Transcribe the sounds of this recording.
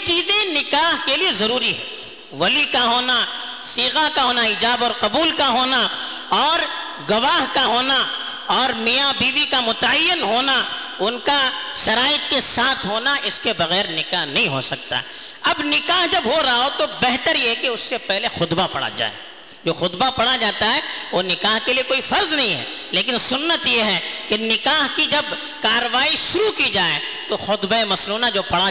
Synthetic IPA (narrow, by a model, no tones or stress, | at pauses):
t͡ʃiːzẽnɪkaːɦkeliezɐɾuːɾiɦɛ̰̃ː | ʋɐlikaɦoːna | siːɣakaɦoːnaɪd͡ʒaːbɔːɾqɐbuːlkaɦoːna | ɔːɾ | ɡɐʋaːɦkaɦoːna | ɔːɾmijabiːʋikamʊt̪əjːɪnɦoːna | ʊnkaʃɐɾaːjɪət̪̚kesaːt̪ʰɦoːnaʔɪskebɐɣɛːɾnɪkaːɦnɐɦĩɦo̰sɐkt̪a̰ɦɛ | ɐbnɪkaːɦd͡ʒɐbɦoɾɐɦaot̪obɛɦt̪əɾjeɦɛkeʊsːepɛɦlexʊd̪bapɐ̰ɽ̤a̰d͡ʒa̰ːḛ | d͡ʒoːxʊd̪bapɐɽad͡ʒaːt̪aɦɛoːnɪkaːɦkeliekoːifɐɾznɐɦĩɦɛ̰leːk̬ɪnsʊnːət̪jeɦɛkɪːɪkaːɦkid͡ʒɐb | kaːɾəʋaːiʃʊɾukid͡ʒaːḛ | t̪oxʊt̪bemɐsluːnad͡ʒoːpɐɽa